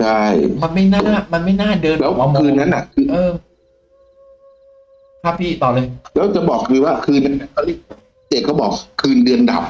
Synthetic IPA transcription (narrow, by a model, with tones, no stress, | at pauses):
t͡ɕʰa˥˩jma˧nma˥˩jnaː˥˩˥ma˧nma˥˩jnaː˥˩dɤː˧nlɛː˦˥wa˧kʰɯː˧nːa˦˥nʔa˨˩kʰɯː˧ʔɤː˧ | kʰa˦˥pʰːiː˥˩t̪ɔː˨˩lɤː˧jlɛː˦˥wt͡ɕa˨˩bɔː˨˩k̚dɯː˧waː˥˩kʰɯː˧nːa˦˥nːa˦˥nkʰa˥˩li˥˩k̚a˨˩˥t͡ɕeː˨˩kʰːwbɔː˨˩k̚kʰɯː˧ndɯ˧ənda̰˨˩p̚